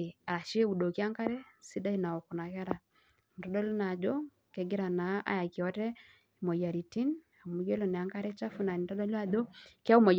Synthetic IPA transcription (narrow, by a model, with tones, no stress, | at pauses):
a˨a˨ʃi˦e˦u˨do˨ki˦a˦ŋka˦ɾɛ˦si˦da˦i˦na˨ɔ˨ku˨na˨ka˦ɾa˨ | n̩˨dɔ˨˦dɔ˦lu˦na˨d͡ʒo˦ | kɛ˨ɡi˦ɾa˨na˨˦a̰˦ja˨ki˨ɔ˦tɛ˦ | i˨mo˨ja˨ɾi˨ti˦n | a˨mu˨˦ɡe˦lɔ˨nɛ˨a˨˦ŋka˦ɾɛ˦t͡ʃa˦fu˦na˨ni˨ndɔ˦dɔ˦la˨do˦ka˦u˦ma˨j